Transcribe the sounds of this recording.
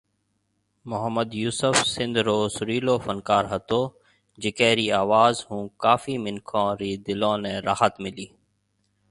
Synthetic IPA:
mʊɦəmːəd̪juːsəfsɪ̃nd̪ɾoːsʊɾiːloːfənkaːɾɦət̪oː | d͡ʒɪkeːɾiːaːʋaːzɦũːkaːfiːmɪnkʰõːɾiːd̪ɪlõːnẽːɾaːɦət̪mɪliː

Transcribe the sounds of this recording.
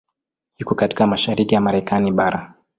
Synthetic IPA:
hikɔkati̥kamaʃaɾikijamaɾɛkʰaniɓaɾa

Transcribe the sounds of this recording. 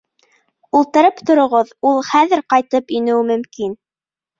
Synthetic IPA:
ulˠt̪ɤ̆ɾɤpt̪ŏɾŏʁɤðulˠχæðɘɾqɑjt̪ɤpinɘ̆wmɵ̆mkin

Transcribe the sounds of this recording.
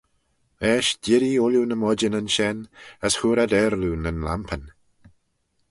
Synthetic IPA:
ɛːʃdɪɾiʊljunəmɔd͡ʒənənʃɛnəshuːɾadɛɾlunənla̰mpʰən

